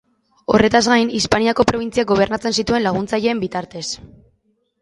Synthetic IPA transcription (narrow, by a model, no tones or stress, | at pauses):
o̞̰re̞t̪azɣajnispaniako̞pɾo̞β̞int͡siaɡo̞β̞e̞ɾnat͡se̞nsit̪ue̞nlaɣ̞unt͡saʎe̞ːmbit̪aɾt̪e̞s